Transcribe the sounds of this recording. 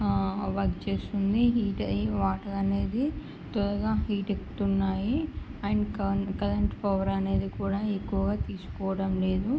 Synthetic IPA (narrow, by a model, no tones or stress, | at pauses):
ʋɐɾɡt͡ʃe̞ːsund̪iɦiːʈɐʋaːʈɐlɐne̞ːd̪i | t̪ɔlɐɡaːɦiːʈekːu̥t̪unːaːjiɐɳkɐkɐlɐɳʈpɐʋɐɾɐne̞ːd̪ikuːɽaːekːuʋɐɡaːt̪iːsu̥kɔːʋɐɽɐmle̞ːd̪u